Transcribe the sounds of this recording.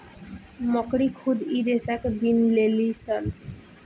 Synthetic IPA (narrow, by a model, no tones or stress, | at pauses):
mɔkɽikʰud̪iɾesakbinlelisal